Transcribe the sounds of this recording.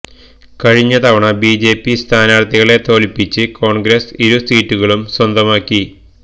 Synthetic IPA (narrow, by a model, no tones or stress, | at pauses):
kɐɻiɲːɐt̪ɐʋɐɳɐbiːd͡ʑe̞ːpːist̪ʰaːnaːɽt̪ːiɣɐɭe̞t̪o̞ːlipːit͡ɕːɨko̞ːɳɡɾɐsiɾusiːtːuɣɐɭumswɐnd̪ɐmaːkːi